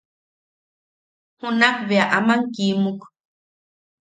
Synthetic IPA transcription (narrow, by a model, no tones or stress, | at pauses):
hunakβeaʔamaŋkimuk